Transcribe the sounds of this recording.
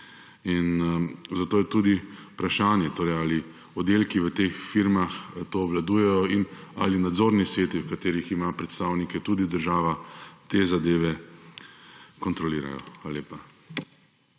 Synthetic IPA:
inzat̪oːjɛt̪ud̪ipɾaʃaːnjɛt̪oːɾɛjali | ɔd̪eːlkiʋət̪exfiɾmaxt̪oːʋlad̪uːjɛjɔinalinad̪zoːɾnisʋeːt̪iwkat̪eːɾiximapɾɛt̪st̪aːwnikɛt̪ud̪id̪əɾʒaːʋat̪eːzad̪eːʋɛ | kɔnt̪ɾɔliːɾa̰jɔ̰xxaːlaleːpa

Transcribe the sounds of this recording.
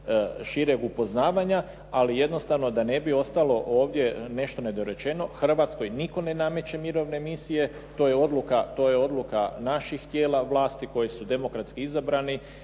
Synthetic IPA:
ʃiɾeɡupo̞znaːʋaɲa | alije̞d̪nost̪aʋno̞d̪ane̞bio̞st̪alo̞ʔoːʋd̪je̞ne̞ʃt̪o̞ne̞d̪oɾe̞t͡ʃe̞no̞xr̩ʋaːt̪sko̞jniko̞ne̞name̞t͡ɕe̞miɾo̞ʋne̞misije̞ | t̪o̞ːjeo̞d̪lukat̪o̞ːje̞o̞d̪lukanaʃixt̪je̞ːlaʋlˠaːst̪iko̞jisud̪e̞mo̞kɾat̪skiizabɾani

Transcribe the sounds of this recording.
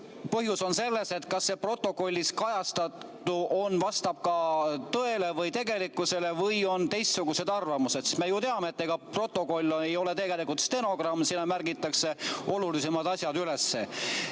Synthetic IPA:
pɤɦjuso̞nse̞lːe̞se̞t̪kɑsːepro̞t̪ːˑo̞ko̞lʲːiskɑjɑst̪ɑt̪ː | uʔo̞nvɑst̪ɑb̥̚kɑt̪ɤ̞e̞le̞vɤjt̪e̞ɡe̞likːˑuse̞le̞vɤjo̞nt̪e̞jst̪suɡ̥use̞d̪̥ɑrvɑmuse̞d̪ssme̞jut̪e̞ɑmeːt̪ːeɡ̥ɑpro̞t̪ːˑo̞ko̞lʲːe̞jo̞le̞t̪e̞ɡelikut̪st̪e̞no̞ɡ̥rɑmːsinːɑmærɡit̪ːˑɑkse̞o̞lulise̞mɑd̪ɑsʲjɑd̪ylesːe̞

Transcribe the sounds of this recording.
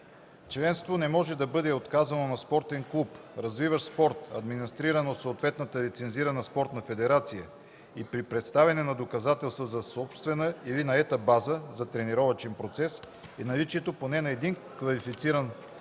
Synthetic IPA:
t͡ʃlɛnst̪vonɛmɔʒɛd̪ɐbɤd̪ɛot̪kazɐnonɐspɔɾt̪ɛŋklˠupɾɐzvivəspɔɾt̪ɐd̪minist̪ɾiɾənot̪soːt̪vɛt̪nət̪əlit̪sɛnziɾənəspɔɾt̪nɐfɛd̪ɛɾat̪sijə | ipɾipɾɛt̪st̪avɛnɛnɐd̪okɐzat̪ɛlˠst̪vəzɐsɔpst̪vɛnəilinɐɛt̪əbazəzɐt̪ɾɛniɾɔvət͡ʃɛnpɾot̪sɛs | inɐlit͡ʃiɛt̪oponɛnɐɛd̪in | kvɐlifit̪siɾən

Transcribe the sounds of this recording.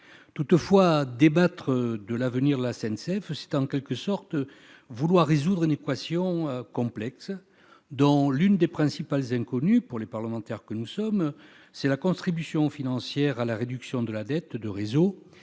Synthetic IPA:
t̪ut̪əfwad̪ebat̪χəd̪əlavəniʁd̪əlasɛnsɛfsɛ̥t̪ɑ̃kʲɛlkəsɔʁt̪ | vulwaʁːezud̪ʁynekwasjɔ̃økɔ̃plɛks | d̪ɔ̃lynd̪epχɛ̃sipalzɛ̃kɔnypuʁlepaʁləmɑ̃t̪ɛʁkənusɔm | sɛlakɔ̃t̪χibysjɔ̃finɑ̃sjɛʁalaʁed̪yksjɔ̃d̪əlad̪ɛt̪d̪əʁezo

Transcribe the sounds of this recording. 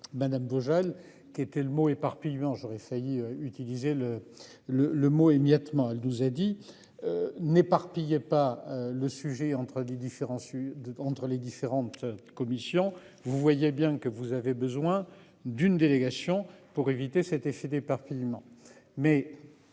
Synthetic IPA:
mad̪amboʒal | kʲiet̪ɛləmoepaʁpijmɑ̃ʒɔʁɛfajiøyt̪ilizelə | lələmoemjat̪mɑ̃ɛlnuzad̪i | ønepaʁpijepaøləsyʒɛɑ̃t̪χəled̪ifeʁɑ̃sɑ̃t̪χəled̪ifeʁɑ̃t̪kɔmisjɔ̃ | vuvwajebjɛ̃kəvuzavebəzwɛ̃ | d̪ynd̪eleɡasjɔ̃puʁevit̪esɛt̪efed̪epaʁpijmɑ̃ | mɛ

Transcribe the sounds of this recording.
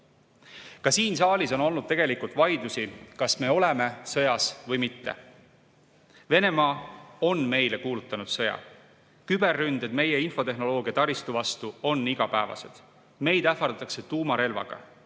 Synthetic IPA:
kɑsiːnsɑːlʲiso̞no̞lnud̪̥̚t̪e̞ɡe̞likult̪vɑjd̪usikɑsme̞ːo̞le̞me̞sɤ̞jɑsvɤjmit̪ːe̞̰ | ve̞ne̞mɑːo̞nme̞jle̞kuːlut̪ːˑɑnud̪̥sɤ̞jɑ̰ | kybe̞rːynd̪̥ed̪̥me̞je̞info̞t̪e̞ɦno̞lo̞ːɡ̥iɑt̪ɑɾist̪uvɑst̪uo̞nːiɡ̥ɑpæevɑ̰se̞̰d̪̥ | me̞jd̪̥æfɑɾd̪ɑt̪ːˑɑkse̞t̪uːmɑɾe̞lvɑ̰ɡ̥ɑ̰

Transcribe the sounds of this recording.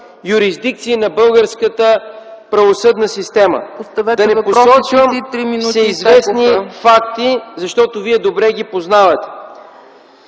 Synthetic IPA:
juɾizd̪ik̚t̪siːnɐbɤlˠɡəɾskət̪əpɾɐvosɤd̪nəsist̪ɛmə̰ost̪ɐvɛd̪ɐnɛposɔt͡ʃvəmt̪ɾiminusɛizvɛsnifakt̪izɐʃt̪ɔt̪oviɛd̪obɾɛɡ̟ipoznavɐt̪ɛ̥

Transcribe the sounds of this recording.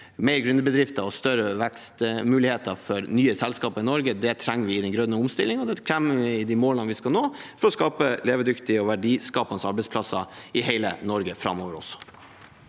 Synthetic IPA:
meɪɾɡɾʉnd̪əbəd̪ɾɪft̪əɾɔst̪œɾəʋɛkst̪mʉːlɪheːt̪əɾfɔɾnyːəsɛlskɑːpɑɪnɔɾɡəd̪ɛt̪ʰɾɛŋːəʋɪɪd̪ɛnɡɾœnəʊmst̪ɪlːɪŋɔd̪ɛkʰɾæmɪd̪ɪmoːlɑnʋɪskɑnoːfɔɾɔskɑːpəleːʋəd̪ʏkt̪ɪəɔʋæɖiːskɑːpɑnsɑɾbɛɪspʰlɑsɑɪheɪlə̰nɔɾɡəfɾɑ̰mːoːʋəɾɔ̰sɔ̥

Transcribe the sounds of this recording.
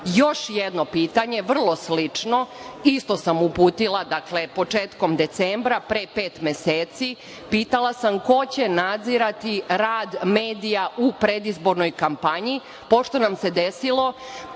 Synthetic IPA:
jo̞ʃjed̪no̞piːt̪aɲe̞ʋr̩lˠo̞slit͡ʂno̞ist̪o̞samupuːt̪ilˠad̪akle̞po̞t͡ʂeːt̪ko̞md̪e̞t̪sembɾapɾepeːt̪meseːt̪si | piːt̪alˠasamko̞t͡ɕenad̪ziɾat̪iɾaːd̪meːd̪ijaʔupɾed̪izbo̞ɾno̞jkampaɲi | po̞ʃt̪o̞namse̞d̪esilˠo̞

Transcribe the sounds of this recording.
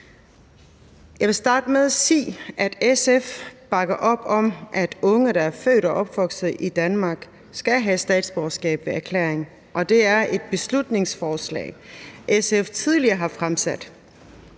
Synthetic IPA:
jɑ̈ɪʋe̝sd̥ɑ̈ːd̥əmeðˠæsḭːʔæd̥esefb̥ɑ̈ɡ̥ɐʔɒ̽b̥ɒ̽mʔæd̥ɔ̽ŋəɾ̥ɑæɐfø̰ːɾɒʔɒ̽b̥ʋɒ̽ɡ̥sð̩ˠʔid̥ænmɑ̈ːɡ̥ | sɡ̥æɦæsd̥ɛ̰ːd̥sb̥ɒɐsɡ̥ɛ̰ːb̥ʋe̝æɐkʰlḛːeŋ | ʔɒ̽d̥e̝æɐʔe̝d̥̚b̥e̝slud̥ne̝ŋsfɒːslɛ̰ːʔeseft͡sʰiðˠliɐɦɑ̈fʁamsæd̥

